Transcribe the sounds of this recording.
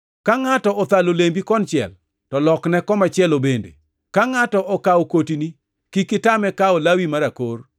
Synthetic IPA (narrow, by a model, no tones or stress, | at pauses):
kaŋatɔɔt̪alolembikɔnt͡ʃɪɛ̰l | tɔlɔknɛkɔmat͡ʃɪɛlobendḛ | kaŋatɔʔɔkaokotini | kikɪtamɛkaɔlawimaɾakor